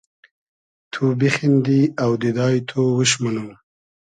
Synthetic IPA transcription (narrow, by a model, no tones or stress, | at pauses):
t̪ʰubixind̪iawd̪ed̪ɑːjt̪ʰowəʃ̬mənəw